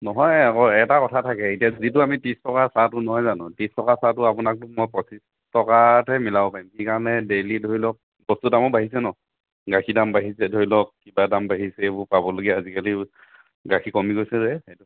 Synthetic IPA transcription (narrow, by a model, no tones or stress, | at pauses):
nɔɦɔjakɔɛtakɔtʰatʰakɛitiazit̬ʊamitistɔkasatʊnɔɦɔjzanʊtistɔkasatʊapʊnak̚tʊmɔjpɔsis | tɔkatɛmilabɔpaimkikaɹɔnɛdelidʱoɹilɔk̚ | bɔstudamɔbaɦisɛnɔ | ɡakʰidambaɦisɛdʱoilɔk̚ːibadambaɦisɛebʊpabɔloɡiaazikali | ɡakʰikɔmikojsɛzɛxetu